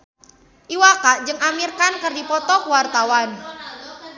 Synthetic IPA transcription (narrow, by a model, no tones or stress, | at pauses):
ʔiwakaʔd͡ʒɨŋamirkankərdipɔt̪ɔkwart̪awan